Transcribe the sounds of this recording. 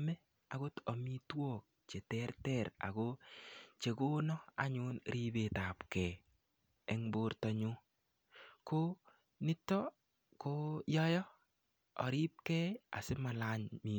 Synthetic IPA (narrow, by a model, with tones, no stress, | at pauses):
mɛ˦ | a˨ɡo˦tɔ˨mi˦two˦˨k̚t͡ʃe˨tɛ˦rtɛ˦˨ɾa̰˨ko˦t͡ʃe˨ko˦nɔ˦a̰˨ɲʊ˨˦nɾʔi˦be˨ta˨pkɛ˨ | ɛ˦ŋbo˦ɾtɔ˨ɲʊ˦ | ko˦ | nɪ˦tːɔ˦ | ko˦jɔ˦jɔ˦ | ɔ̰˨ɾi˦p̚kɛ˦a̰˨sɪ˦ma˨la˦ɲmi